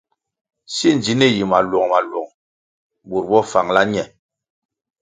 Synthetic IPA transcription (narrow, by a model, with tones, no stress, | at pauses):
si˦n˨d͡ʒi˨˦ni˦˨ji˨ma˨lwɔ˨ŋma˨lwɔ˨ŋ | bo˨ɾbɔ˦fa˨ŋla˦ɲɛ˨